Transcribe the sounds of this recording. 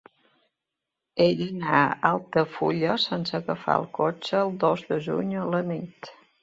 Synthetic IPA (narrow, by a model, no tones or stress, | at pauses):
eʎənaalˠt̪əfuʎəsensəɣəfa̰əlˠkot͡ʃəːlˠd̪ozd̪əʒṵɲələnit̪